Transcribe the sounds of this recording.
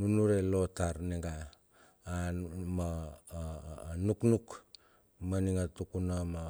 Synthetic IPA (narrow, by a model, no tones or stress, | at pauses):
nunuɾe̞lo̞taɾneɡaː | ma | nuknuk | maniŋatukunama